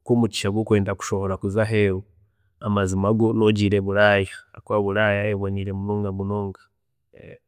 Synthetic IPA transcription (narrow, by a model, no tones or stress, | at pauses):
komut͡ʃi̥ʃaɡwokwe̞ːndaku̥ʃooɾakuzaɦeu | amazimaɡonoɟiɾeβulajaːkwaβulajaeβoɲiɾemunoːŋɡamunoːŋɡḁ̰